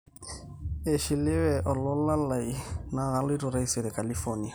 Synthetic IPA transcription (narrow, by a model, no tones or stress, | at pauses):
eʃilewɛʔɔlɔlalainaɣalitɔɾaiseɾɛkalifɔnia